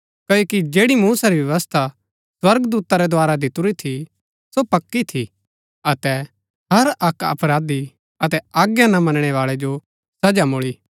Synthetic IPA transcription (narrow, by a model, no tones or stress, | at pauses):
kɐjoːkid͡ʒeːɽimuːsaɾiʋɐʋəst̪ʰa | swɐɾɡd̪uːt̪aɾɛd̪ʊaːɾad̪ɪt̪ʊɾit̪ʰi | sopɐkːit̪ʰi | ɐt̪ɛ | ɦɐɾɐkɐ̰pɾaːd̪i | ɐt̪ɛaːɡjãnamɐnəɽ̃ɛʋaːɭɛd͡ʒo | sɐd͡ʒamʊɭiː